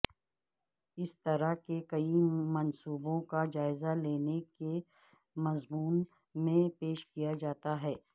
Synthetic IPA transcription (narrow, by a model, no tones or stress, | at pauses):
ɪst̪ɐɾaɦkekɐimɐnsuːbõkad͡ʒaːɪzaleːneke | mɐzmuːn | mẽpeːʃkijad͡ʒaːt̪aɦɛː